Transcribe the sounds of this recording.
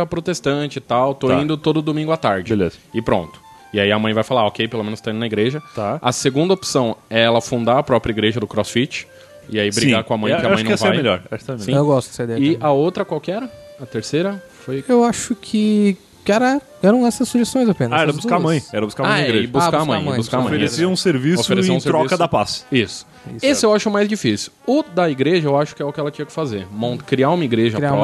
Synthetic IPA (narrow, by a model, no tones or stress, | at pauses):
ɐpɾot̪est̪ɐ̃t͡ʃɪt̪awt̪oĩnd̪ʊt̪od̪ʊd̪omĩŋɡʊat̪aɾd͡ʒɪbelḛzɐɪpɾõ̰nt̪ʊ̥ | ɪaiɐmɐ̃j̃vajfalaokejpelomẽnʊst̪ãd̪ʊnɐiɡɾeʒɐt̪aɐseɡũnd̪ɐopsɐ̃w̃ɛɛlɐfũnd̪aɾɐpɾɔpɾʲjɐiɡɾeʒɐd̪ʊkɾɔsfit͡ʃɪ̥ | ɪaisbɾĩɡaɾkõɐmɐ̃j̃kɪɐaʃɐ̃nɐsvejmeʎɔ̰ɾaʃksemesĩewɡɔst̪ʊdd͡ʒ̥sed̪ɛjɪɐowt̪ɾɐkwawkɪɛɾɐɐt̪eɾsejɾɐfojewaʃʊkʰɪ | kɛɾɐ | ɛɾɐ̃w̃ɛsɐsːuʒest̪õj̃zapẽnɐaɛɾɐbuskamɐ̃j̃ɛɾɐbuskamãiɡɾeʒbukaɐmɐ̃j̃jbuskamɐ̃fejɾesiɐũseɾvisofeɾʊesĩũseɾɾɔiskɐd̪ɐpasisʊ̥ | iesɪewaʃʊmajzd͡ʒifisiwʊd̪ɐiɡɾeʒɐewaʃʊ̥kɪɛʊkɪɛlɐt͡ʃĩɲɐkɪ̥fazeɾmɐ̃kɾiaũmɐiɡɾeʒɐɾiaum